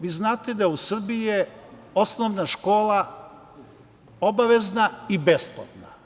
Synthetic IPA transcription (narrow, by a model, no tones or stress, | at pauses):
ʋiːznaːt̪ed̪ajeusr̩bije | o̞snoʋnaʃko̞ːla | obaʋe̞znaibespo̰t̪na